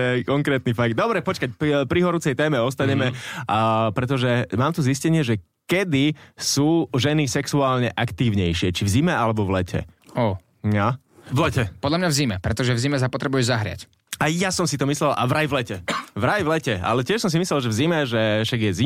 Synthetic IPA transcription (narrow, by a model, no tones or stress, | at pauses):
jɛkɔŋkɾɛːt̪nifaɡ̚d̪̚d̪ɔbɾɛpɔt͡ʃkacpɾiɦɔɾut͡sɛjt̪ɛːmɛɔst̪aɲɛmɛ | pɾɛt̪ɔʒɛmaːmt̪uziscɛɲɪɛʒɛ | kɛd̪isuːʒɛnisɛksuaːlɲɛʔakt̪iːʊɲɛjʃɪɛt͡ʃivzimɛalɛbɔʋlɛcʰɛ̰ɔː | a | ʋlɛcɛpɔd̪lamɲavzimɛpɾɛt̪ɔʒɛvzimɛs̬apɔt̪ɾɛbujɛzaɦɾɪa̰c | ajasɔmsit̪ɔmislɛlʔa̰ʋɾajʋlɛcɛʋɾajʋlɛcɛa̰lɛcɪɛʃsɔms̬imislɛlʒɛvzimɛʒɛʃaɡjɛzi